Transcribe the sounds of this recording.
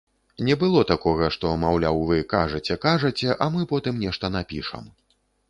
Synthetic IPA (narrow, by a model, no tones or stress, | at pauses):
nʲɛbɨlˠɔt̪akɔɣɐʂt̪ɔmawlʲawvɨkaʐɐt͡sʲɛkaʐɐt͡sʲɛʔamɨpɔt̪ɨmnʲɛʂt̪ɐnapʲiʂɐ̰m